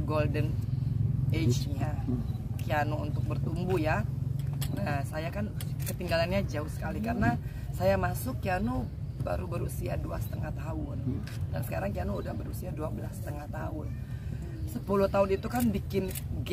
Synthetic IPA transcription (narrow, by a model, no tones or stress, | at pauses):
ɡoldən | et͡ʃɲakianoṵnt̪ʊk̚bərt̪umbuja | əsajakankət̪iŋɡalanɲad͡ʒaʊhsə̥kalikaɾəna | sajamasʊkːiano | ba̰ɾubəɾusia̰duasə̥t̪əŋaht̪aʊn | da̰nsə̥kaɾaŋkianoudahbəɾusiaduabəla̰st̪əŋaht̪aʊn | səpulʊht̪aʊnit̪ukanbikɪnɡ